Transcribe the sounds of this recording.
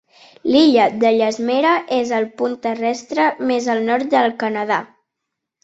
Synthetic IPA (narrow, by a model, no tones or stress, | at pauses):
liʎəd̪əʎəzmeɾəʔezəlˠpunt̪ərɛst̪ɾəmezəlˠnɔɾt̪̚d̪əlˠkənəð̞a